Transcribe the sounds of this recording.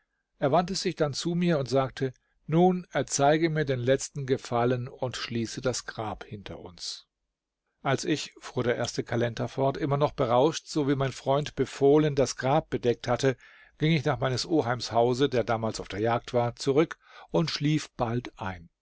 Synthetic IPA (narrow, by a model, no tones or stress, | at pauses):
ʔeːɐvantəzɪçd̥ant͡sumiːɐʊntz̥aːk̚tʰə | nuːnɛɐt͡saɪɡəmiːɐdeːnlɛt͡stn̩ɡəfalənʊntʃliːsədasɡ̥ʁaːphɪntʰɐ̰ʔʊ̰ns | ʔalsɪçfuːɐɾeːɐʔeːɐstəkʰalɛntʰɐfɔɐtʔɪmɐnɔχb̥əʁaʊʃtz̥oviːmaɪnfʁ̥ɔʏntb̥əfoːləndasɡ̥ʁaːp̚b̥ədɛk̚thatə | ɡ̥ɪŋɪçnaːχmaɪnəsʔoːɦaɪmshaʊzədeːɐdaːmaːlsaʊfd̥eːɐjaːk̚tv̥aːɐt͡suʁʏk | ʊntʃliːfb̥altʔaɪn